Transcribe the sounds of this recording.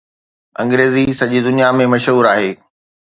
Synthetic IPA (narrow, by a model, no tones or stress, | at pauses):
ɐ̃ŋɡɾeːzisɐʄid̪ʊnijamẽmɐʃɦuːɾaːɦeː